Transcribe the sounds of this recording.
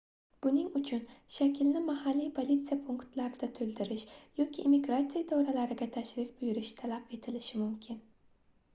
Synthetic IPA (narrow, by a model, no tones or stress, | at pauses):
b̥unɪŋyt͡ʃʰynʃɛkʲʰilnɪmɑhɑlːijpʰolʲˠit̪sɨjapʰuŋkt̪lˠaɾɨd̪̥at̪ʰøld̪ɪɾɪʃjokʲʰiʔːmiɡɾat̪sijad̪ʰoɾalˠæɾɪɡʲɛt̪ʰæʃɾɪfbyjyɾɪʃt̪ʰælˠapet̪ʰɪlɪʃɪmumkʲʰɪn